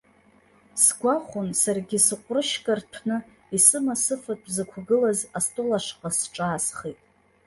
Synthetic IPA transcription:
sɡʷaχʊnsarɡʲɪsɨqʷʼrɨʃkʼartʰnɨ | isɨmasɨfatʰʼzakʷʰaɡɨlazastʼolaʂqʼasʈ͡ʂʼaːsχitʼ

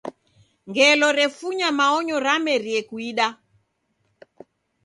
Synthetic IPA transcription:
ŋɡɛlɔɾɛfuɲamaɔɲɔɾamɛɾiɛkwiɗa

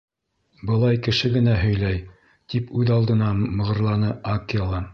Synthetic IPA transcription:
bɤ̆lˠɑjkɘ̆ʃɘɡɘ̆næɦɵ̆jlæj | t̪ipʉðɑlˠd̪ɤ̆nɑmɤ̆ʁɤ̆ɾlˠɑnɤʔakelˠɑ

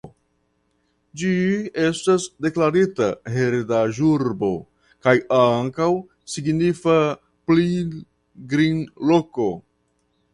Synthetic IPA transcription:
d͡ʒie̞stasde̞klaɾitaɦeɾdaʒuɾbo̞ | kajaŋkaw | siɡnifa | pli | ɡɾinloko̞

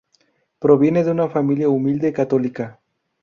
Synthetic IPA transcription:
pɾo̞βje̞neðeunafamiljaumild̪ekat̪o̞lika

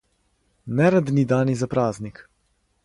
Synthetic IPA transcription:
nɛɾad̪nid̪aːnizapɾaːznik

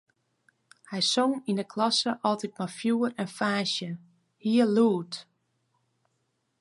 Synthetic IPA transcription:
hɛjsoŋindəkʰlɔsəʔɔlˠtit̚mɔfjuːrɛnfaːʃjə | hiəluːt

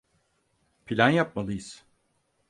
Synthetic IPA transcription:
pʰilʲanjap̚malˠɯjɯz̥

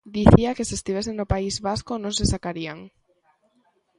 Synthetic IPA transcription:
d̪iθiakesest̪iβes̬eŋnopaizβaskonõŋsesakaɾiaŋ

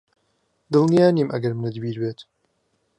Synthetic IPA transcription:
d̪ɨlnijaːnimʔɐ̰ɡɐɾmɨnɨd̪biːɾbeːt̪

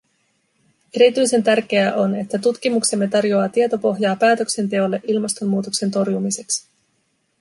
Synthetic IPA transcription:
e̞ɾit̪yjse̞nt̪ærk̟e̞æʔo̞ne̞t̪ːæt̪ut̪kimukse̞mːe̞t̪ɑrjo̞ɑːt̪iet̪o̞po̞ɦjɑːpæːt̪økse̞nt̪e̞o̞lːe̞ʔilmɑst̪o̞mːuːt̪okse̞nt̪o̞rjumise̞ks

